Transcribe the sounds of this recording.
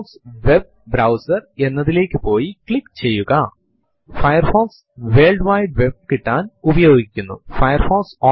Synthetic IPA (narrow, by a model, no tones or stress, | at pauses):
sʋe̞b̚ | bɾɐwsɐre̞nːɐðile̞ːkʲːɨpo̞ːjikɭikːt͡ɕe̞jːuɣɐ | fɐjɐrfoːls | ʋe̞ːlɖʋɐjɖʋe̞b̚kiʈːaːnubɐjo̞ːɡikʲːunːṵfɐjɐrfoːlsoː